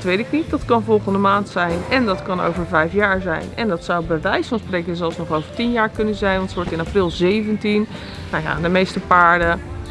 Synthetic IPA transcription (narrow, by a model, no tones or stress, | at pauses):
tʋejtɪknit̚dɑtkɑnvɔlˠχəndəmaːntsɛjnɛndɑtkɑno̰wvəɹvɛjfjaːɹzɛ̰jnɛ̰ndɑtsawbəʋɛjsfɑnsprejkəzɛlˠsnɔχowvəɹtinjaːɹkɵnənzɛjnʋɑntsəʋɔɹtɪnaprɪlˠzejvəntin | nawja̰dəmejstəpaːɹdə